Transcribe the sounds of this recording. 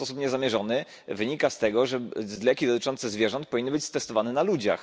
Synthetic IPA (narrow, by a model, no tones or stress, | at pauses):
pɔsupɲɛzamʲjɛʐɔnɘ | vɘɲikast̪ɛɡɔʐɛzlɛkʲid̪ɔt̪ɘt͡ʂɔnt̪sɛzvʲjɛʐɔnt̪̚pɔvʲinːɘbɘt͡ɕst̪ɛst̪ɔvanɛnalud͡ʑa̰x